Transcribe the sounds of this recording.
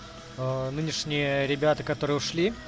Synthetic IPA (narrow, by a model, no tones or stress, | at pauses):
nɨnʲɪʂnʲɪjəɾʲɪbʲat̪əkɐt̪o̞ɾɨjəʊʂlʲi